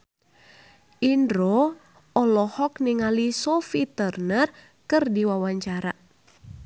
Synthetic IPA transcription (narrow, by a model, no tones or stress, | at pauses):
ʔindɾo | ɔlɔhɔkniŋalisɔfit̪ərnər | kɨrdiwawaɲt͡ʃaɾa̰